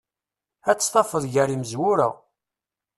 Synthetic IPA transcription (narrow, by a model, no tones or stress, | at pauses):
æt͡sːst̪ˤɑfəðˤʝæɾiməzwʊɾæ̰